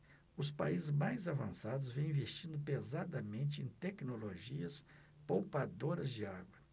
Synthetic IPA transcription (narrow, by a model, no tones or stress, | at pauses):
ʊspaizɪzmajzavɐ̰̃sad̪ʊzvẽw̃ĩvest͡ʃĩnd̪ʊpezad̪ɐmẽnt͡ʃɪẽj̃t̪ɛknoloʒiɐs | powpad̪oɾɐzd͡ʒɪaɡwɐ